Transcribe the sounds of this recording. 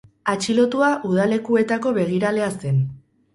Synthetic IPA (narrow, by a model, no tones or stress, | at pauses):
at͡ʃilo̞t̪uaʔuð̞ale̞kue̞t̪ako̞βe̞ɣ̞iɾale̞ast̪e̞n